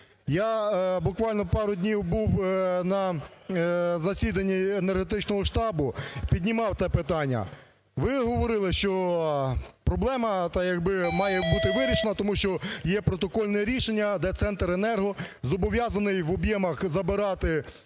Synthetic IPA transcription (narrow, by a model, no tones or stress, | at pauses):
jabʊkʋɑlʲnɔpɑɾʊd̪ʲnʲiwbuwnɐ | zɐsʲid̪ɐnʲːienerɦet̪ɪt͡ʃnɔɦɔʃt̪ɑbʊpʲidʲnʲimɑwt̪sɛpɪt̪ɑnʲːɐ̰ | ʋɪɦɔʋɔɾɪlˠɪʃt͡ʃɔ | pɾɔblˠɛmɐt̪ɑjɐɡbɪmɑjɛbut̪ɪʋɪɾʲiʃenɐt̪ɔmuʃt͡ʃɔjɛpɾɔt̪ɔkɔlʲnɛɾʲiʃenʲːɐd̪ɛt̪sɛnt̪renɛrɦɔzɔbɔʋʲjɑzɐnɪjʋɔbjɛmɐxzɐbɪɾɑt̪ɪ